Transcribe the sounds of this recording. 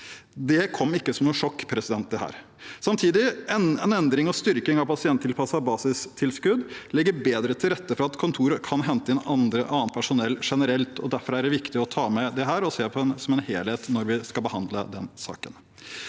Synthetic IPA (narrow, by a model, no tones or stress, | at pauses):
d̪ɛkʰɔmːɪkːəsɔmnuːʂɔkːpʰɾɛsɪd̪ɛnt̪̚d̪ɛhæ̰ːɾ | sɑmt̪ʰiːd̪ɪɛɛnɛnd̪ɾɪŋɑʋst̪ʏɾkɪŋɑʋpʰɑsɪɛnt̪ʰːɪlpʰɑsɑbɑːsɪst̪ʰɪlskʉd̪lɪɡːəɾbeːd̪ɾət̪ʰɪlɾɛt̪ːəfɔɾɑɑt̪kʰʊnt̪ʰuːɾəkʰɑnɦɛnt̪əɛnɑnd̪ɾəʔɑːnt̪̚pʰæʂʊnɛlːʂɛnəɾɛlt̪ʰɔ̰d̪æɾfɔɾæɖɛʋɪkt̪ɪɔt̪ʰɑːmɛd̪ɛɦæːɾɔseːpʰɔɛnsɔmɛnheːlheːt̪nɔɾʋɪskɑlbəhɑnd̪lə̰d̪ɛnsɑ̰ːkən